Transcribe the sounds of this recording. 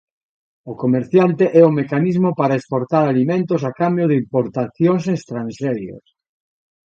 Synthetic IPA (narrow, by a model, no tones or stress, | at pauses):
okomeɾθjant̪eʔɛʊmekanizmopaɾaespoɾt̪aɾalimẽnt̪os̬akambjoðimpoɾt̪aθjoŋs̬est̪ɾanʃɛɾjo̰s